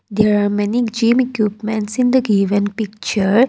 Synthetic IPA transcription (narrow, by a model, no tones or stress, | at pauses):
d̪eːɾaːɾmɛnid͡ʒĩːmekjuːpmɛ̃ɳʈsĩnd̪əɡiʋə̃npik̚t͡ʃəɾ